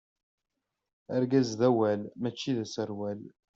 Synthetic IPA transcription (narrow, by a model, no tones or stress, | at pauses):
əɾɡæzðæwælmæt͡ʃːiðæsəɾwæl